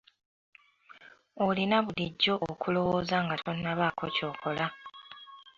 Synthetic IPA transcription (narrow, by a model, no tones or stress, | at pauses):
olinaβuliɟːo̞ʔokʰulo̞woːzaŋɡatonːaβaːkʰo̞̰co̞ːkʰo̞la